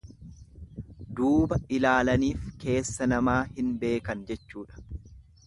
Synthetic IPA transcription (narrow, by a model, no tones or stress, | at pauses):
d̪uːbɐʔɪlaːlɐniːfke̞ːsːɐnɐmaːhɪnbe̞ːkɐnd͡ʒɛt͡ʃːuːᶑɐ̥